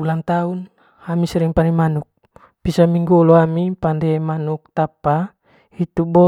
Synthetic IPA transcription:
ulaŋt̪aun | amisɛɾiŋpanimanuk̚ | pisamiŋɡulɔamipandɛmanuk̚t̪apa | it̪ubɔ

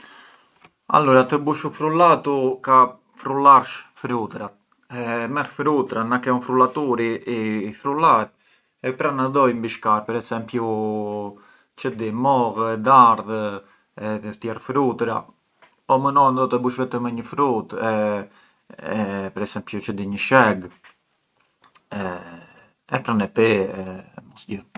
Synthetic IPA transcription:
a̰lɔɾat̪əbuʃufɾulat̪uka | fɾulaɾʃfɾut̪ɾat̪ | ɛmɛɾfɾut̪ɾanakɛɔnfɾulat̪uɾiifɾulaɾ | ɛpɾanaðɔjmbiʃkaɾpɛɾɛsɛmpju | t͡ʃəd̪imɔɣɛd̪aɾð | ɛtəft̪jɛrfɾut̪ɾa | ɔmənɔnd̪ɔt̪ɛbuʃvɛt̪əmɛɲəfɾut̪ɛ | pɛɾɛsɛmpjut͡ʃəd̪iɲəʃɛɡ | ɛ | ɛpɾanɛpɛɛmɔsɟə

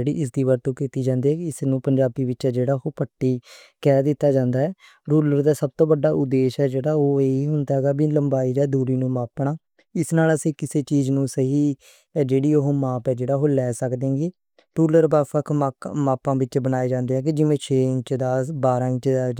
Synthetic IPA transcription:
eːɽḭːʔɪs̬d̪iːʋaːɾt̪õːkiːt̪iːd͡ʒãːnd̪iːɦɛːkɪɪsnũːpəɲd͡ʒaːbiːʋɪt͡ʃɛːd͡ʒeːɽaːɦoːpəʈːiː | kɛːd̪ɪt̪ːaːd͡ʒãːnd̪aːɛː | ɾuːləɾd̪aːsəb̚t̪õːbəɖaːʔʊd̪eːʃɦɛːd͡ʒeːɽaːoːeːiːɦʊnd̪aːɦɛːɡaːbiːləmbaːiːd͡ʒɛːd̪uːɾiːnũːmaːpɳaː | ɪsnaːləsĩːkɪseːt͡ʃiːd͡ʒnũːsəɦiː | d͡ʒeːɽiːoɦoːmaːpɛːd͡ʒeːɽaːɦoːlɛːsəkd̪ẽːɡiː | ɾuːləɾbaːfəkʰmaːpãːʋɪt͡ʃbənaːeːd͡ʒãːnd̪eːɦɛːk̬id͡ʒɪʋẽːt͡ʃʰẽːŋt͡ʃd̪aːsbaːɾãːt͡ʃː

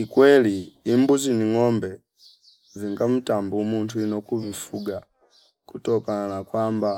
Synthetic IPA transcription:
ikwɛliimbuziniŋɔmbɛ | viŋɡam̩tambumuntujinɔkuvifuɡa | kutɔkananakwaːmba

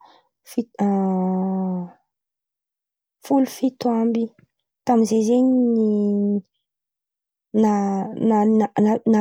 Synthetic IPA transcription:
fiə | fulufit̪uambi | t̪amizezeɲini | nananaana

